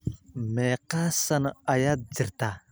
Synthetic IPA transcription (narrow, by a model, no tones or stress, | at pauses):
meqasanajad͡ziɾta